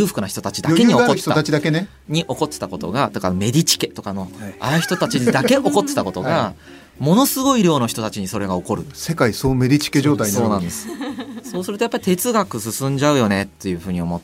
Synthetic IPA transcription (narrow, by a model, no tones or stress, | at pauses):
ɯ̟ːɸɯ̥kɯnaçi̥t̪o̞t̪at͡ɕid̪akeɲiokoteːaat͡ɕid̪akene | ɲ̟iʔo̞ko̞t̪ːe̥t̪ako̞t̪o̰ɡat̪ekanome̞d̪ʲit͡ɕi̥ke̞t̪o̞kano̞aɾɯ̟çi̥t̪ot̪at͡ɕid̪ake̞ʔo̞ko̞t̪ːe̞̥t̪ako̞t̪o̞ɡa | mo̞no̞sɨɡo̞iɾʲjo̞ːno̞çi̥t̪o̞t̪at͡ɕiɲ̟iso̞ɾe̞ɡao̞ko̞ɾɯ̟se̞kaisoːme̞d̪ʲit͡ɕi̥keʑoːt̪aisoːnãnd̪e̞sɨ̥so̞ːsɨɾɯt̪ojapːaɾi̥t̪e̞t͡sɨɡakɯ̟sɨsɨ̃ɲ̟d͡ʑaɯ̟jo̞ne̞t̪ːe̞jɯ̟ːɸɯ̟ːɲ̟io̞mot̪ː